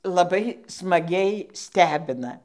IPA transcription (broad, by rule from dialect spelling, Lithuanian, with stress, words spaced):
lˠɐˈbɐɪ smɐˈɡʲɛɪ ˈsʲtʲæːbʲɪnɐ